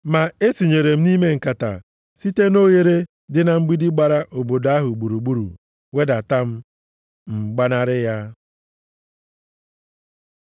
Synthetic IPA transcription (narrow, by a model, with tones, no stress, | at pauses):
ma˨e˦si˨ɲe˨ɾe˨m̩˦ni˦me˦ŋ̩˨ka˨ta̰˨ | si˦te˦no˦ɣe˦ɾe˦ | dɪ˦na˨ŋ͡m̩˦ɡ͡bi˦di˦ɡ͡ba˨ɾa˦ʔo˨bo˨da˦ɦʊ˨ɡ͡bu˨ɾu˨ɡ͡bu˦ɾṵ˨ | we˦da˨ta˦m̩˦ | ŋ͡m̩˨ɡ͡ba˦na˦ɾɪ˦ja˦